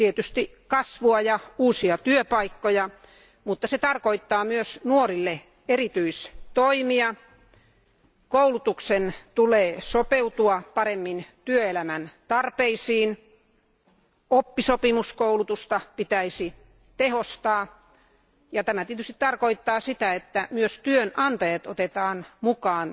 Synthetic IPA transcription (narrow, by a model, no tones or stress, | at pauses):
t̪iet̪yst̪i | kɑsʋuɑjɑuːsiɑt̪yøpɑikːojɑ | mut̪ːɑset̪ɑrkoit̪ːɑːmyøsnuorilːe | erit̪yist̪oimiɑ | koulut̪uksent̪uleːsopeut̪uɑpɑremːint̪yøelæmænt̪ɑrpeisiːn | opːisopimuskoulut̪ust̪ɑpit̪æisi | t̪ehost̪ɑː | jɑt̪æmæt̪iet̪yst̪i̥t̪t̪ɑrkoit̪ːɑːsit̪æet̪ːæmyøst̪yønʔɑnt̪ɑjɑt̪ot̪et̪ɑːnmukɑːn